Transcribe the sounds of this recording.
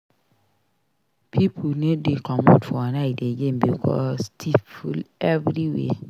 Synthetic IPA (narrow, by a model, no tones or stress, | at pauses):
pʰipʰolnedekʰɔmõdfɔanaɪdeɡembikʰɔ̰stʰivfulɛvɹiwḛ